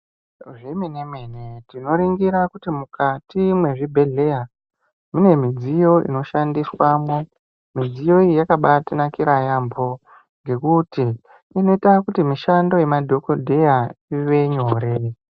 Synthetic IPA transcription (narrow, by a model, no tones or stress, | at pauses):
ʐimenemwenetino̞ɾiŋɡiɾakutimukatimwe̞ʐibʱe̞ɮe̞ja | mune̞mid͡zijo̞ḭno̞ʃandiswaːmo | mid͡zijo̞ijakaɓatinakiɾajambo̞ | ŋɡe̞kuti | ino̞itakutimiʃando̞je̞madʱo̞kodʱe̞jaiʋe̞ɲo̞ːɾe